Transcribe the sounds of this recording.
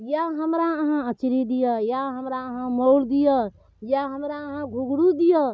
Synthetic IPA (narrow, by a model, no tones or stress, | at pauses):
jaɦəmɾaəɦãət͡ʃɾid̪ijəjaɦəmɾaəɦãməld̪ijə | jaɦəmɾaəɦãɡʱuɡɽud̪ijə